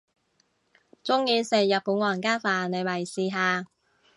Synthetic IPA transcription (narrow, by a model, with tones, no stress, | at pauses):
t͡sʊ˥ŋjiː˨˧se˨jɐ˨t̚pu˨˥nŋɔː˧jɐ˨˩nkaː˥nfaː˨nne˨˧jmɐ˨˩jsiː˨ɦaː˨˧